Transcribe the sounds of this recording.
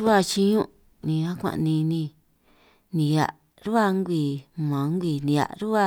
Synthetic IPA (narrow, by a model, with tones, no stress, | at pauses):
u˦a˧t͡ʃi˧ɲũ˦ | nĩ˧a˦kʷã̰˧˨ʔnĩ˧nĩ˧ | nĩ˨˧ja̰˧ʔ | ɾu˦a˧ŋɡʷi˧˨mã˨˦ŋ˦ɡʷi˧˨nĩ˨˧a̰˨ʔɾu˦a˦˧